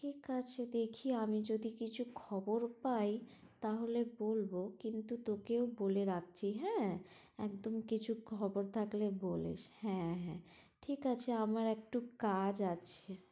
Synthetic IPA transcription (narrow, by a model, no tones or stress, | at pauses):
ʈʰikat͡ɕʰed̪ekʰiamid͡ʑod̪ikit͡ɕʰukʰɔboɾpaj | t̪aɦolebolbokint̪ut̪okeoboleɾak̚t͡ɕʰiɦɛ̃ː | ɛkd̪omkit͡ɕʰukʰɔboɾt̪ʰaklebolḛʃhɛ̃ɦɛ̃ | ʈʰikat͡ɕʰeamaɾɛk̚ʈukad͡ʑat͡ɕʰe